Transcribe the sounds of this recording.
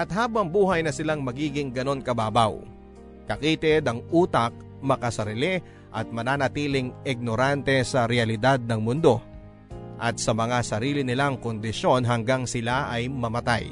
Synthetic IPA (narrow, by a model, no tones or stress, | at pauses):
ʔɐt̪̚ɦaːbɐŋbuːɦɐjnɐsɪlaŋmɐɡiːɡɪŋɡɐno̞nkɐbaːbaw | kɐkiːt̪ɪd̪ɐŋʔuːt̪ɐk̚ | mɐkɐsɐɾilɛ | ʔɐt̪̚mɐnaːnɐt̪iːlɪŋɪɡ̚no̞ɾant̪ɛsɐɾɛɐlɪd̪ad̪̚nɐŋmʊnd̪o̞ | ʔɐt̪̚sɐmɐŋasɐɾiːlɪnɪlaŋkond̪ɪʃo̞nɦɐŋɡaŋsɪlaʔɐjmɐmɐt̪a̰j